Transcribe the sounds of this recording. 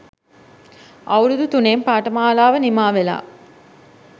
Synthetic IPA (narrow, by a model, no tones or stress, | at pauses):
ʔɐwɾud̪ut̪uneːmpaːʈɐmaːlaːʋənimaːʋela̰ː